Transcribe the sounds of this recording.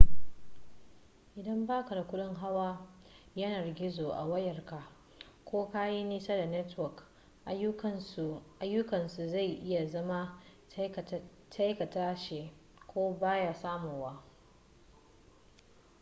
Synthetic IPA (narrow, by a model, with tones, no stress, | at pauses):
ʔɪ˨dɐ˦mbaː˦ka˨da˨kʷʊ˦ɗɪ˦ŋɦa˦waː˦ | jɐ˦nɐ˨rɡʲɪ˦zoː˨ʔa̰˨wɐ˦jɐ˨rka˨ | kʷoː˦ka˦ji˦niː˦sa˦da˨nɛ˦twɔ˨k | ʔa˦jːʊ˦kɐ˨nsu˨za˦˨jʔɪ˦ja˨zɐ˦ma˦ | tʰa˦jkɐ˨taː˦ʃe˨ | kʷoː˦baː˦ja˦saː˦mo˨waː˦